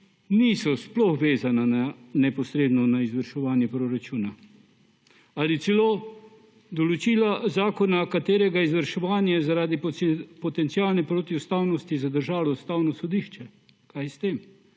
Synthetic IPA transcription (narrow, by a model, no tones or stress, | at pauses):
niːsɔsplɔxʋeːzanananɛpɔsɾeːd̪nɔnaizʋəɾʃɛʋaːnjɛpɾoɾat͡ʃuːna | alit̪sɛloː | d̪ɔlɔt͡ʃiːlazaːkɔnakat̪eːɾɛɡaizʋəɾʃɛʋaːnjazaɾaːd̪ipɔt̪ɛnt̪siaːlnɛpɾoːt̪iust̪awnɔst̪izad̪əɾʒaːlɔust̪awnɔsɔd̪iːʃt͡ʃɛ | kajst̪eːm